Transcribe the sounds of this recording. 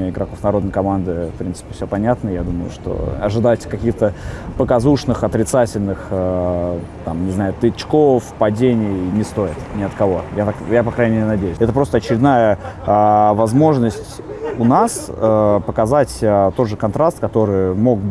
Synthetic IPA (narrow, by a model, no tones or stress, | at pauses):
ɪɡɾɐkofnɐɾo̞d̪nəjkɐmand̪ɨfpɾʲint̪sɨ̥pʲɪ̥fsʲɵpɐnʲat̪nəjad̪uməjʊ̰ʂt̪o̞̰ɐ̰ʐɨd̪atʲkɐkʲixt̪əpəkɐzuʂnɨxɐt̪ɾʲɪt̪satʲɪlʲnɨxə | t̪amnʲɪznajʊt̪ɨt͡ɕkofpɐdʲenʲɪjjnʲɪst̪o̞ɪt̪nʲɪɐt̪kɐvo̞jat̪akjapɐkɾanʲɪmʲeɾʲɪnɐdʲejʉsʲɛt̪əpɾo̞st̪əɐt͡ɕɪɾʲɪd̪najə | vɐzmo̞ʐnəsʲtʲʊnasəpəkɐzatʲət̪o̞d̪ʐɨkɐnt̪ɾast̪̚kɐt̪o̞ɾɨjmo̞ɡb